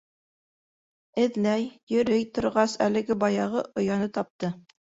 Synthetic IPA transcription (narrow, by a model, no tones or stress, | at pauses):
ɘ̆ðnæjjɵ̆ɾɵjt̪ŏɾʁɑsælɘ̆ɡɘbɑjɑʁɤʔŏjɑnɤt̪ɑp̚t̪ɤ